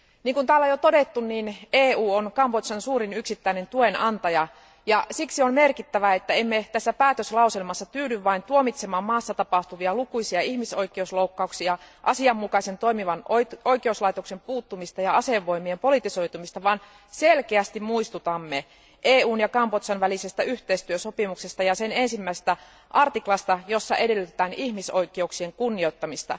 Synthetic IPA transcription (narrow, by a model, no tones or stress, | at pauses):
niːŋkunt̪æːlːæjot̪odet̪ːunniːneːuːonkɑmbot̪sɑnsuːɾinyksit̪ːæine̞nt̪uenɑnt̪ɑjɑ | jɑsiksiommerkit̪ːæʋæet̪ːæemːet̪æsːæpæːt̪øslɑuselmɑsːɑt̪yːdyʋʋɑint̪uomit̪semɑːmmɑːsːɑt̪ɑpɑht̪uʋiɑlukuisiɑihmiso̞ikˑeusloukːɑuksiɑʔɑsiɑmːukɑse̞nt̪o̞jmiʋɑnoojkeuslɑit̪okse̞mpuːt̪ːumist̪ɑjɑɑseʋːo̞imiempo̞lit̪iso̞it̪umist̪ɑʋɑːn | selkeæst̪immuist̪ut̪ɑmːe | ʔeːuːnjɑkɑmpot̪sɑnʋælisest̪æyht̪eist̪yøsopimukse̞st̪ɑjɑsene̞nsimːæisest̪æ | ʔɑrt̪iklɑst̪ɑjo̞sːɑ̰ʔe̞de̞lːyt̪et̪æːnihmiso̞ik̟euksie̞ŋkunːio̞t̪ːɑmist̪ɑ̰